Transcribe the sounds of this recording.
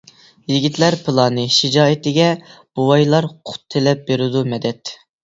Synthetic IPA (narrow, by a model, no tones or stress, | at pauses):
jiɡʲit̪læɾpʰɨlˠɑnɨʃid͡ʒɑːit̪ɪɡʲɛb̥uwɑjlˠɑɾqʰʊ̥t̪ʰːelɛp̚beɾɪd̪umɛd̪ɛt̪